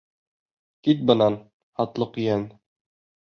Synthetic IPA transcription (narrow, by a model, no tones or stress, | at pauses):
kit̪̚bɤ̆nɑn | hɑt̪lˠɤqjæn